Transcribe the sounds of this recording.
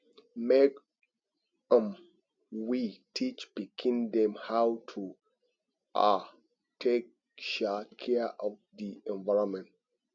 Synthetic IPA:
mek | ãm | witʰit͡ʃbikʰĩndɛ̃mhawtʰu | a | tʰek̚ | ʃakʰɛʔɔvdiɛ̃nvaɹɔ̃mɛ̃nt̚

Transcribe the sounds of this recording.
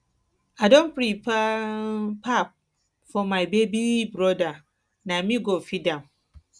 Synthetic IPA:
adõnpɾip | pʰap̚ | fɔmaɪbebibɾɔda | namĩɡofidãm

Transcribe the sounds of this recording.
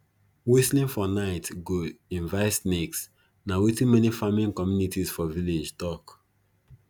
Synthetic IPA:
wislĩnfɔnaɪtɡoĩnvaɪtsneks | nawitĩnmɛnifamĩnkɔmjunitisfɔviled͡ʒtɔk

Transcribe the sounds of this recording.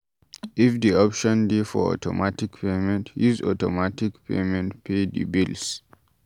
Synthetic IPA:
ifdiɔpʃɔ̃ndefɔ̰ɔ̰tʰɔ̰matikpemɛ̃ntʰjuzɔtɔmatikpʰḛmɛ̃ntpʰed̪ḭbils

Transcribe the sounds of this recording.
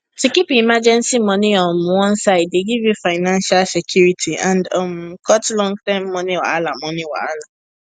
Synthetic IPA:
tikipĩimad͡ʒɛ̃nsimɔ̃nĩɔm̩̃wɔ̃n̩saɪdeɡivjufaɪnãnʃalsekʰjuɾitʰiãndɔm̩kʰɔtlɔ̃ŋɡ̚tãɪ̃mːɔ̃nĩwa̰alamɔ̃nĩwa̰ala

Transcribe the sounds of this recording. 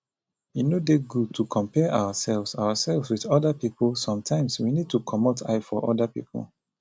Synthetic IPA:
inodeɡud̚tʰukʰɔ̃mpɛʔawasɛlvsawasɛlvswiðɔdapipʰəlsɔ̃mtʰãɪ̃mswinid̚tukʰɔmotʰa̰ɪfɔʔɔdapḭpə̰l

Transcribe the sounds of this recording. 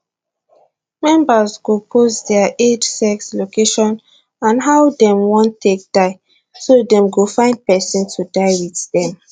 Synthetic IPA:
mɛ̃mbazɡopʰosdɛaʔed͡ʒsɛkslokeʃɔ̃n | ãnɦaʊdɛ̃mwɔ̃ntʰːek̚d̥aɪ | sodɛ̃mɡofãɪ̃nd̚pɛsĩntʰudaɪwiðdɛ̃m

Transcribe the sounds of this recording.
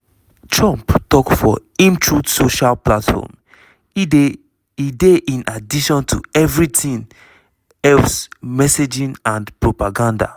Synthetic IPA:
tʰɹɔ̃mptɔkfɔ̰ĩmt͡ʃɹudsoʃalplatfɔ̰m | ideʔĩnadiʃɔ̃ntʰṵɛvɹitʰĩn | ɛlfsmɛsed͡ʒĩnãndpɹopaɡãnda̰

